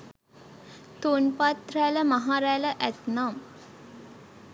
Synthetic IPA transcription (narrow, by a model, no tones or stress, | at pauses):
t̪unpat̪ɾæləmaɦaːɾæjləʔæt̪nam